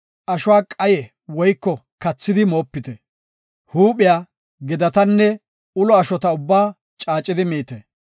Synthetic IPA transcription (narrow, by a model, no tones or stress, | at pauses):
ʔɐʃʊwaːkʼɐjɛ | wɔjkːɔkɐt͡sːɪd̪ɪmo̞ːpːɪt̪ɛ | huːpɪjaː | ɡɛd̪ɐt̪ɐnːɛ | ʊlɔɐʃɔt̪ɐʊbːaː | t͡ʃʼaːt͡ʃʼːɪd̪ɪmiːt̪ɛ